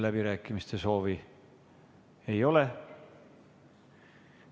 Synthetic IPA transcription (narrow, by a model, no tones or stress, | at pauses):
læb̥iɾæːkˑːimist̪e̞so̞ːvi | e̞jo̞le̞